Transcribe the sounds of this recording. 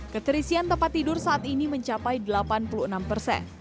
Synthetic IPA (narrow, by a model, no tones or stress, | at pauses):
kət̪əɾisiant̪əmpat̪ːidʊrsaʔat̪iniməɲt͡ʃapajdəlapanpuluənampərsɛ̰n